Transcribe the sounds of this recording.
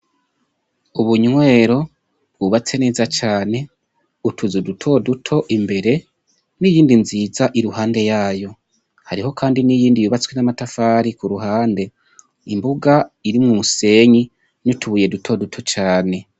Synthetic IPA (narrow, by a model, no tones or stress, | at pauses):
uβuɲwe̞ːɾo̞ | bɡuβat͡se̞nezat͡ʃaːne̞ | utʰuzudutʰo̞dutʰo̞ʔimbe̞ɾe̞ | nijiːndinziːzaʔiɾuhaːnde̞jaːjo̞ | haɾiho̞kʰaːndinijiːndijuːβat͡swenamatafaːɾikuɾuɦaːnde̞ | imbuɡaiɾimŋumuse̞ɲi | nutʰuβuje̞dutʰo̞dutʰo̞t͡ʃaːne̞